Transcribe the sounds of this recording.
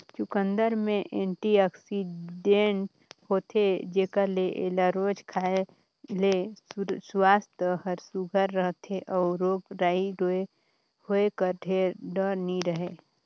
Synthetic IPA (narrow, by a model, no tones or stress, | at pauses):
t͡ʃʊkənd̪əɾmẽʔẽɳʈiaksiɖẽɳʈ | hoːt̪ʰed͡ʒeːkaleʔḛlaɾoːd͡ʒkʰae | leswaːst̪əhəɾsuɡʱəɾːəɦt̪ʰeʔɔːɾoːɡɾaːiɾoe | hoekəɾʈ̪eɾɖəɾniɾəɦe